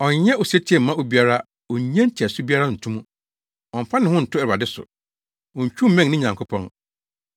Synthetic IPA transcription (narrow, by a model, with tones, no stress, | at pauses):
ɔ̃˨ɲɲɛ˦ʔo˨sɛ˦t͡ɕʰi˦ɛ̃˦˨m̩ː˦ã˦o˨bi˦a˦ɾa˦ | o˨ɲ˦ɲɛ̃˦n̩˦t͡ɕʰi˨ɛ˨sʊ˦bi˦a˦ɾa˦n̩˨tʰũ˦mũ˦ | ɔ̃˨m˨fã˦nɪ̃˨hʊ̃˦n̩˨tʰʊ˦ɛ˨ɾa˨dɪ˦sʊ̰˨ | ɔ̃˨ɲ˨t͡ɕᶣũ˦m̩˦mɛ̃˦ŋnɪ̃˦˨ɲã˨ŋkʰʊ˦pʰɔ̃˦n